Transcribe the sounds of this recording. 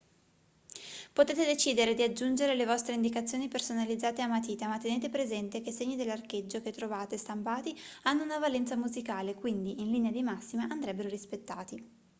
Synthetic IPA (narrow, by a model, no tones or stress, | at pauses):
pot̪eːt̪ed̪et͡ʃiːd̪eɾed̪iad͡ʒːund͡ʒeɾelevɔst̪ɾeind̪ikat̪sːjoːnipersonalid̪zaːt̪eamːat̪̬iːt̪amat̪ːeneːt̪epɾezɛnt̪ekeseɲːid̪elːarked͡ʒːoket̪ːɾovaːt̪est̪ampaːt̪ianːounavalɛnt̪samuzikaːlekwind̪iinliːnead̪imasːimaʔand̪ɾɛbːeɾoɾispet̪ːaːt̪i